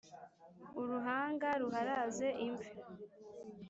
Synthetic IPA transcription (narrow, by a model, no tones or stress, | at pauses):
uɾuɦaːŋɡaɾuɦaɾaze̞ʔiɱvi